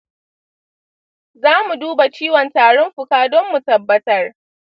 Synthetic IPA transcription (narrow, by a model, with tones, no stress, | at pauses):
zaː˦mu˨duː˦ba˨t͡ʃiː˦wɔ˨ntaː˨ɽɔ˦mɸʊ˨kaː˦dɔ˦mːu˨tɐ˨bːɐ˦tɐ˦r